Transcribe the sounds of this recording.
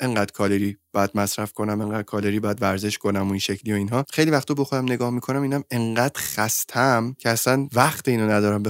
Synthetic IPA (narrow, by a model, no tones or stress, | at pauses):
ʔe̞ŋɢæːd̪̥kʰɒːleɾiːbɒjæd̪̥mæsɾæfkʰo̞næme̞ŋɢæːd̪̥̚kʰɒːleɾiːbɒːjæd̪væɾze̞ʃkʰo̞næmoinʃecʰliːo̞iːnɦɒːxe̞jlivæxt̪ʰobɔxod̪æmne̞ɡɒːhmikʰo̞næmiːnæme̞ŋɢæːd̪̥χæst̪ʰæmcʰeæsænvæxt̪ʰeiːnɒnæd̪ɒːɾæmbe